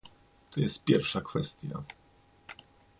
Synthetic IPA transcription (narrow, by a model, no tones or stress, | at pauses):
t̪ʰɔjɛst̪̚pʲjɛɾfʂakfɛst̪ʲja̰